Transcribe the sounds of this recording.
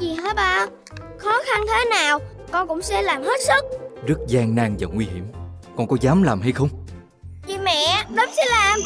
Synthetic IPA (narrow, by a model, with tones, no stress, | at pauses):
zi˨˩ɦe˨˦˥t̚ɓaː˧ | xɔ˨˦xa˧nt̪ʰe˨˦naː˨˩w | kɔ˨˧kʊ̰˧˥wŋ͡msɛ̰˧laː˨˩mhe˦˥t̚sɨ˦˥k̚zɨ˦˥k̚zaː˧ŋnaː˧ŋvaː˨˩ŋwi˧ɦi˧˩əm | kɔ˨˩nkɔ˨˦zaː˨˦mlaː˨˩mɦa˧jxə˧wŋ͡m | t͡ɕi˧mɛ̰˧˨ɗə˨˦˥sɛ̰˧˥laː˨˩m